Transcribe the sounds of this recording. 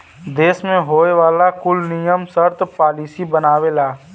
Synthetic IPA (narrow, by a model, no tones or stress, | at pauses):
d̪eːsmẽɦoːeʋaːlakʊlnijəmsəɾt̪paːliːsibənaːʋelaː